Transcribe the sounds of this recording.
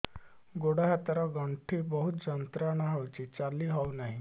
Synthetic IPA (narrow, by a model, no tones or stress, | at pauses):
ɡoɽaɦat̪əɾaɡəɳʈʰiːbəɦut̪d͡ʑənt̪ɾanaɦaʋt͡ɕiːt͡salːiːɦaʋnaɦi